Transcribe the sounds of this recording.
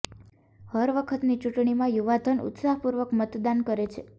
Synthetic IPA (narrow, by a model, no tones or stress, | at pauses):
həɾʋəkʰət̪nit͡ʃuʈɳimãjuʋad̪ʱənṵt̪saɦpuɾʋəkmət̪d̪ankəɾet͡ʃʰe